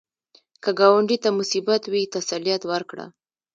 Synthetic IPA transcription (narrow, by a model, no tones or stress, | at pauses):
kəɡɑwaɳɖit̪amʊsibat̪wit̪asalijat̪wəɾkɽa̰